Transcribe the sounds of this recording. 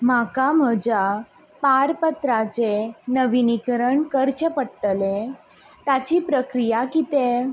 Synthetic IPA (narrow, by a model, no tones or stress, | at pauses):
makam̤əd͡ʑa | paɾpət̪ɾat͡ɕenəʋinikɾəɳkəɾt͡ɕəpəɽt̪əle | t̪at͡ɕiːpɾəkɾijakit̪e